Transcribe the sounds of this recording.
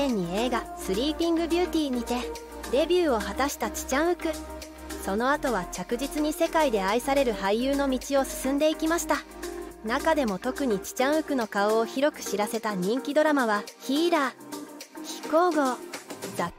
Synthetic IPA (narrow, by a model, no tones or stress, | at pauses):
ẽɲ̟ːie̞ːɡasɨɾʲiːpʲĩŋɡɯ̟bʲɨ̟ːt̪ʲiːɲ̟it̪e̞ | d̪e̞bʲjɨːo̞ɦat̪aɕi̥t̪at͡ɕi̥t͡ɕãɰ̃ɯ̟kɯ̟ | so̞no̞at̪o̞βat͡ɕakɯ̟ʑit͡sɨɲ̟ise̞kaid̪e̞aisaɾe̞ɾɯ̟haijɯːno̞mʲit͡ɕio̞sɨ̥sɨ̃nd̪e̞ikʲimaɕi̥t̪a | nakad̪e̞mo̞t̪o̞kɯ̟ɲ̟it͡ɕi̥t͡ɕãɰ̃ɯ̟kɯ̟no̞kao̞ːçiɾo̞kɯ̟̥ɕiɾase̞t̪aɲ̟ĩŋkʲid̪o̞ɾamaβ̞açiːɾa | kʲi̥ko̞ːɡo̞da